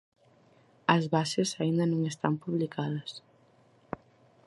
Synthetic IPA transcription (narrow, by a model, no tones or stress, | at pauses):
ɐzβasesaind̪ɐnõŋest̪a̰mpuβlikaðɐs